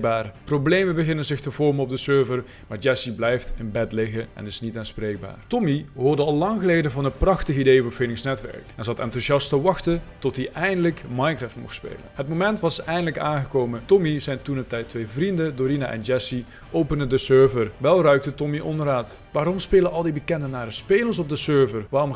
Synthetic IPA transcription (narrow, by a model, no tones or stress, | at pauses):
baːrproblejmənbəɣɪnənzɪxtəvɔɹmənɔb̚dəsøːɹvər | maːɹd͡ʒɛsiblɛjftɪnbɛtlɪɣənɛ̰nɪsnitaːnspreːjɡ̚ba̰ːrtɔmiɦʊːrdəɑlˠlɑŋxəlejdəvɑnɦətprɑxtəɣidejvəfɪnɪŋsnɛtʋɛ̰ɹkɛnzɑta̰ːntuzɑstəʋɑxtətɔtɦiʔɛjndələkmɑjnkrɛftmɔ̰xtspḛːlə̰nɦətmomɛntʋɑsɛjndələkaːnɣəkowmətɔmizɛjntunətɛjtʋejvrindədoɾinaʔɛ̰nd͡ʒɛsi | ʔowpənədəsøːɹvərʋɛlˠrœɥk̚tətɔmiʔɔnraːt | ʋaːɾɔmspeːləɑlˠdibəkɛndənaːɾəspeːlərs̬ɔb̚dəsøːɹvərʋaːrɔm